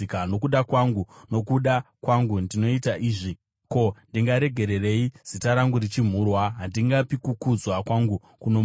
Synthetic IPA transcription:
kano̞kuɗakwaŋɡuno̞kuɗakwaŋɡundino̞itaʔiːʐi | ko̞ndiŋɡaɾe̞ɡʱe̞ɾe̞re̞iz̥itaɾaŋɡuɾit͡ʃim̤uːrwaɦandiŋɡapikukud͡zwakwaŋɡu | kuno̞

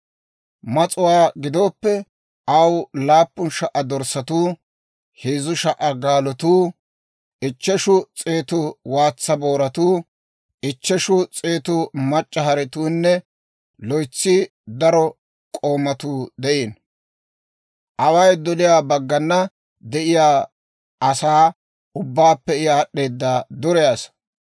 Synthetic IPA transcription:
mɐt͡sʼʊwaːɡɪd̪o̞ːpːɛ | ɐwlaːpːʊnʃɐʔɐd̪ɔɾsɐt̪uː | heːzʊʃɐʔɐɡaːlɔt̪uː | ɪt͡ʃːɛʃʊt͡sʼe̞ːt̪ʊwaːt͡sːɐboːɾɐt̪uː | ʔɪt͡ʃːɛʃʊt͡sʼe̞ːt̪ʊmɐt͡ʃʼːɐɦɐɾɛt̪uːnːɛ | lɔjt͡sːɪ | d̪ɐɾɔ | kʼo̞ːmɐt̪uːd̪ɛʔeːn | ʔɐwɐjd̪ɔlɪjaːbɐɡːɐnːɐ | d̪ɛʔɪjaː | ɐsaː | ʊbːaːpːɛjaːɗːe̞ːd̪ːad̪ɔɾɛjas

